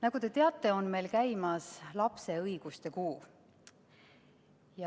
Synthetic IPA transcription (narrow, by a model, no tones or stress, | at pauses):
nɑɡ̥ut̪e̞t̪e̞ɑt̪ːˑe̞o̞nme̞jlkæjmɑslɑpse̞ɤjɡ̥ust̪e̞kuː | jɑ